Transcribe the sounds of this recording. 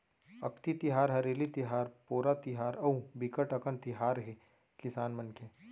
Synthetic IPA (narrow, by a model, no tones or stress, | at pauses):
ɐ̰kt̪it̪ɪɦaːɾɦɐɾeːlit̪ɪɦaːɾpoːɾat̪ɪɦaːɾɐũbɪkəʈɐkənt̪ɪɦaːɾɦe | kɪsaːnmɐnke